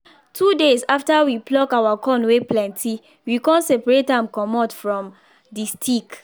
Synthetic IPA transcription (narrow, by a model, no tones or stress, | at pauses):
tʰudesaftawiplɔkawakɔ̃nweplɛ̃ntʰi | wikɔ̃nsɛpaɹetãmkɔmɔtfɹɔ̃m | distʰik